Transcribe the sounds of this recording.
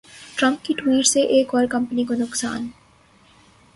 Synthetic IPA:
ʈɾamp̚kiʈuiɖseʔekɔɾkɐmpaniɡonoksa̰n

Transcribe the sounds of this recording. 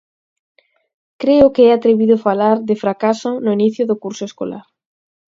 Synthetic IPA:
kɾeʊkeɛat̪ɾeβiðʊfalaɾðɪfɾakasʊnʊiniθjʊðʊkuɾsʊesko̰la̰ɾ

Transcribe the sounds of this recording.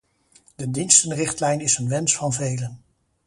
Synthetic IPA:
d̥ədinstənrɪχtlɛjnɪsənʋɛnsfɑnvejlən

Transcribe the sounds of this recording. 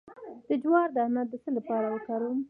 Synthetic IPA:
d̪̥əd͡ʒwɑɾd̪əanat̪̚d̪əsəlapɑɾawəkaɾum

